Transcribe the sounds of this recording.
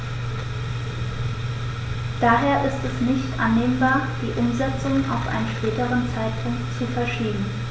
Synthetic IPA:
d̥aːɦeːɐʔɪstɛsnɪçtʔa̰nːeːmbaːɐd̥iːʔʊmzɛt͡sʊŋʔa̰ʊfʔa̰ɪnənʃpɛːtəʁənt͡saɪt̚pʰʊŋktt͡sufɛɐʃiːbm̩

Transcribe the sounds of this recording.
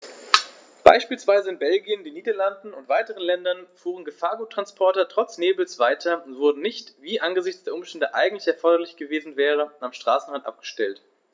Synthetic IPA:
b̥a̰ɪʃpiːlsv̥aɪzəɪnbɛlɡiəndiːniːdɐlandn̩ʊntv̥aɪtəʁənlɛndɐnfuːʁ̞ənɡəfaːɐɡuːtːʁ̥anspʰɔɐtɐtʁ̥ɔt͡sneːbl̩sv̥aɪtʰɐʊntv̥ʊɐdn̩nɪçtviːʔanɡəzɪçt͡sd̥eːɐʊmʃtɛndəʔaɪɡŋ̩tlɪçɛɐfɔɐdɐlɪçɡ̥əveːzn̩vɛːʁ̞əamʃtʁ̥aːsn̩ʁantʔa̰p̚ɡ̥ə̥ʃtɛlt

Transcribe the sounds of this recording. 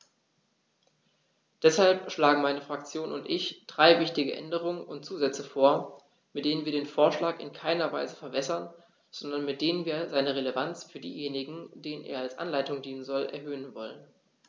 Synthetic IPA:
d̥ɛshalpʃlaːɡŋ̩maɪnəfʁ̥ak̚t͡sjoːnʔʊntʔɪçd̥ʁaɪvɪçtɪɡəʔɛ̰ndəʁ̞ʊŋənʊnt̚t͡suːzɛt͡səfoːɐ | mɪt̚d̥eːnənviːɐdeːnfoːɐʃlaːkɪ̰nkʰaɪnɐva̰ɪzəfɛɐbɛsɐn | z̥ɔndɐnmɪt̚d̥eːnənviːɐzaɪnəʁelevant͡sfyːɐdḭːjeːnɪɡŋ̩d̥eːnənʔḛːɐalsʔa̰nlaɪtʊŋdiːnənzɔlʔɛ̰ɐɦøːənvɔlən

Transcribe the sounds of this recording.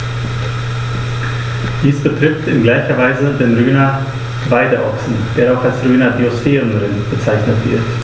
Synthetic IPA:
d̥iːsb̥ətʁ̥ɪftɪnɡlaɪçɐvaɪzədeːmʁyːnɐ | vaɪdəʔɔ̰ksn̩d̥eːɐaʊxalsʁyːnɐɡiosfɛːʁənʁɪnb̥ət͡saɪçnətv̥ɪ̰ɐt

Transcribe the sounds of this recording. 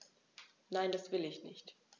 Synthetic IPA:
naɪndasv̥ɪlɪçnɪçt

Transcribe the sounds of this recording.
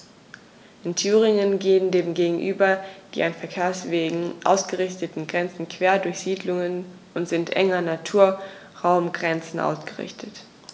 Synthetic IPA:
ʔɪntʰyːʁ̞ɪŋənɡeːəndeːmɡeːɡŋ̩ʔyːbɐd̥ḭːanfɛɐkʰeːɐsv̥eːɡŋ̩ʔa̰ʊsɡ̥əʁɪçtətn̩ɡʁɛnt͡sn̩kʰv̥eːɐdʊɐçz̥iːdlʊŋən | ʔʊntz̥ɪntʔɛ̰ŋɐnatʰuːɐ | ʁaʊmɡʁɛnt͡sn̩ʔa̰ʊsɡ̥əʁɪ̰çtʰət

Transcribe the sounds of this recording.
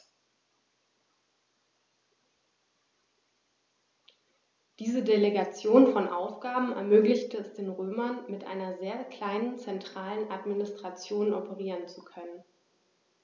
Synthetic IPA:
d̥iːzədeleɡat͡sjoːnfɔnʔa̰ʊfɡ̥aːbm̩ɛ̰ɐmøːklɪçtəɛsd̥eːnʁøːmɐnmɪtʔa̰ɪnɐzeːɐkl̥aɪnənt͡sɛntʁ̥aːlənʔatminɪstʁ̥at͡sjoːnʔɔpʰəʁiːʁənt͡sukʰœnən

